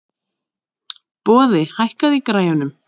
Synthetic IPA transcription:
pɔːðɪhajhkaðikɾaːjanʏm

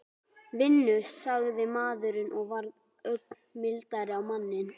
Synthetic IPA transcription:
vɪnːʏsːaɣðɪmaːðʏɾɪnʔɔɣvaɾð | œɥk̚n | mɪlt̪aɾɪawmanːɪn

